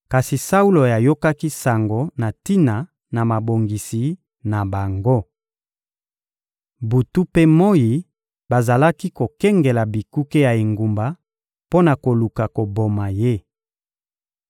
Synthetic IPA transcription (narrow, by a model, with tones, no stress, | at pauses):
ka˨si˨sa˦u˦lo˨ja˨jo˦ka˦ki˦sa˨ŋɡo˨na˨ti˦na˨ | na˨ma˨bo˨ŋɡi˨si˨ | na˨ba˨ŋɡo˦ | bu˨tu˦pe˦mo˦ji˨ | ba˨za˨la˦ki˦ko˨kɛ˦ŋɡe˨la˨bi˨ku˦ke˦ja˨e˨ŋɡu˨mba˨ | po˦na˨ko˨lu˨ka˨ko˨bo˨ma˨je˦